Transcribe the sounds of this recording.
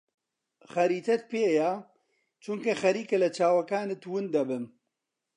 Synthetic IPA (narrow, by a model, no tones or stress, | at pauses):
xɐɾiːt̪ʰɛt̪̚peːja | t͡ʃʰʊŋkexɐɾiːkelɐt͡ʃʰaːwɐkaːnet̪wɨnd̪ɐbɨn